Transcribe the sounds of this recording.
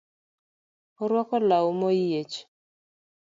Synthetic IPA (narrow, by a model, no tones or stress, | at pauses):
ɔɾwɔkɔlawmojet͡ʃ